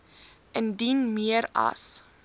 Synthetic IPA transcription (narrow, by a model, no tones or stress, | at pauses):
əndinmiəɾɐ̰s